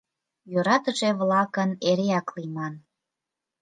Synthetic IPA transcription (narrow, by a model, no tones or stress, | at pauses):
jøɾɑt̪əʒeβlɑkəneɾeɑklimɑn